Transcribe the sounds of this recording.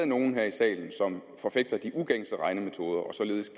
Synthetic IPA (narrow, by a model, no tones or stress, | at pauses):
ð̩ˠno̝ːn̩ɦeɐ̰isɛ̰ːln̩sɒ̽m | fɒ̽feɡ̥̚d̥ɐd̥iʔuɡ̥eŋ̰sd̥əʁɑ̈ɪnəme̝t͡sʰo̝ːð̞ˠɐʔɒ̽sɒ̽le̝ːð̞̩ˠsɡ̥